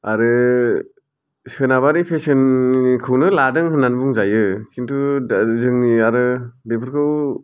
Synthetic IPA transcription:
aɾɯ | sɯnaβaɾipʰesɯnkʰɯwnɯladɯŋhɯnːanbuŋzajɯkʰintuzɯŋniaɾɯdepʰɯɾkʰɯw

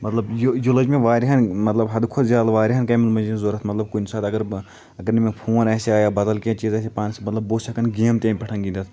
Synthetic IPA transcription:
mɐt̪lɐbjojolɐd͡ʒmẽʋaːɾiɦɐnmɐt̪lɐbɦɐd̪kʰod̪zʲjaːd̪aʋaːɾiɦɐnkɐmɐlmɐd͡ʒẽzoɾɐt̪ʰmɐt̪lɐb̚kunsaːd̪ɐɡɐɾ | ɐɡɐɾnimẽpʰoːnɛːseaːjaːbɐd̪əlkẽt͡ʃiːzɛːsepaːnsemɐt̪lɐbːoːsɐkɐnɡeːmt̪ẽːmpɐʈʰɐŋɡĩnd̪ɐt̪ʰ

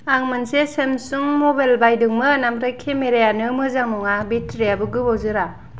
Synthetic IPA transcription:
aŋmɯnsesemsuŋmobajlbajdɯŋmɯnamɾajkʰemeɾejanɯmɯzaŋmɔŋabitɾijabɯɡɯbowzɯɾa

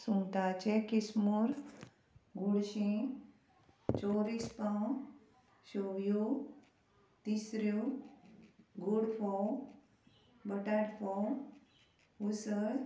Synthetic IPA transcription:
sũŋt̪at͡ɕekismuɾ | ɡuɽɕĩ | t͡ɕoɾispãw | ɕoʋju | t̪isɾu | ɡuɽfɔw | bəʈaɽfɔ | usəɾ

